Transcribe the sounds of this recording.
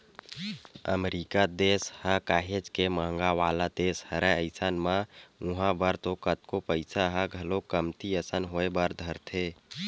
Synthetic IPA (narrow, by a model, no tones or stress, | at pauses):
ə̰meɾikad̪eshəkaɦed͡ʒkeməɦəŋɡaʋalad̪eshəɾeəɪsanmãuɦãbəɾt̪okət̪kopəɪsaɦəɡʱəlokəmt̪iəsənɦoebəɾd̪ʱəɾt̪ʰe